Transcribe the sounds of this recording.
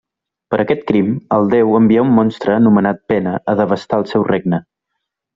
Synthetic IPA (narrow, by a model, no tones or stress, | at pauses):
pəɾʔəkɛt̪kɾiməlˠd̪ɛwəmbiaumːɔnst̪ɾəːnumənat̪̚pɛnəəðəβəst̪aəlˠsɛwreɡ̚nə